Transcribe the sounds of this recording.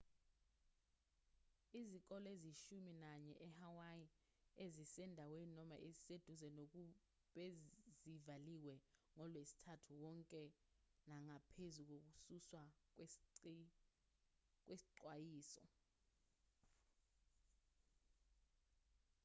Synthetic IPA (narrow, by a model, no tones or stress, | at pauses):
izik̬ʼɔleziʃuminaɲɛ̰ʔɛhawaji | ezisɛndʱaweninɔma̰ʔezised̥ʱuzɛnok̬ʼu | ɓezivaliwɛŋɔlwesi̥tʰatʰuwɔŋkʼɛ | naŋapʰezuk̬ok̬ʼususwa | k̬ʼwesi̥ǃwajiːsɔ̰